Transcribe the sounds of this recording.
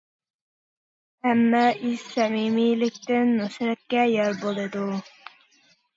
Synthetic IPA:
æmːɛiz̥sɛmimilɪkʲt̪ɪnmusɾɛt̪̚kʲɛjɑɾbolˠɨd̪u

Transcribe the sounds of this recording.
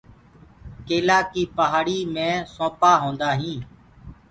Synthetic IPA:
keːlaːkiːpəɦaːɽiːmẽːsõːpaːɦõːnd̪aːɦĩː

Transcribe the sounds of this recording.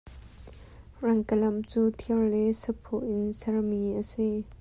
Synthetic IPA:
rɐŋkəlɐmt͡suːt̪ʰiəwlɛsəpʰoʔɪnsɛrmiʔəsi

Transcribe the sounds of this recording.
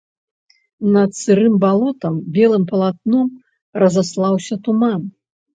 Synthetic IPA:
nɐt̪sɨɾɨmbalˠɔt̪ɐmbʲɛlˠɨmpɐlˠat̪̚nɔm | rɐzaslˠawsʲɐt̪uman

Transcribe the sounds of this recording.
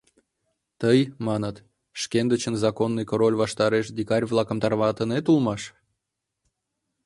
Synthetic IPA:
t̪əjmɑnət̪ | ʃkʲend̪ət͡ɕənzɑkonːɨjkoɾolʲvɑʃt̪ɑɾeʃd̪ikɑɾʲvlˠɑkəmt̪ɑrβɑt̪ənet̪ulmɑʃ

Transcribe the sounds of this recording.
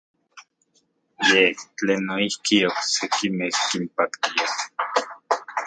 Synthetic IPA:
jeht͡ɬeːnːoihkioksekimehkimpakt̪ia

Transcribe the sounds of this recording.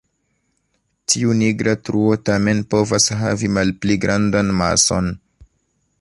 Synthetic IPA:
tʰiuniɡɾatɾuo̞tame̞npo̞vasɦavimalpliɡɾʔandanma̰so̞̰n

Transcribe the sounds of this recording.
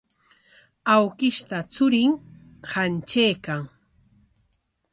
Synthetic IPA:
awkɪʃt̪at͡sʊɾɪŋ | hant͡ʃejkaŋ

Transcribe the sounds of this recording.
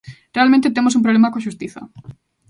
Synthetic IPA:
realmẽnt̪̬et̪emosumpɾolemakoʃust̪iθa̰

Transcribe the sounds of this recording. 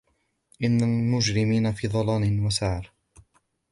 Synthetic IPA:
ʔɪnːalmʊd͡ʒɾɪmiːnafiːd̪ˤɑlɑːnɪnwasaʕɾ

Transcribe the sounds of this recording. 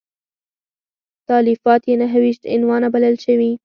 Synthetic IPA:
t̪ɑːlifɑːt̪jenaɦawiʃt̪ɪ̰nwɑːnabalalʃawi

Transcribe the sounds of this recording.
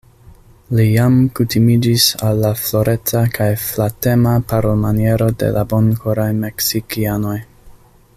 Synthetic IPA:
lijamkutimid͡ʒisalːaflo̞ɾʔe̞t͡sakʰajflate̞mapaɾomanie̞ɾo̞de̞̰lʔabo̞nkʰoɾajme̞ksikiano̞j

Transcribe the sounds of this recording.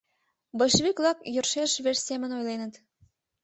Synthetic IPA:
bɤ̆ʃβiklɑkjø̆rʃeʃβerʲsʲemɘ̆nojlenə̆t̪

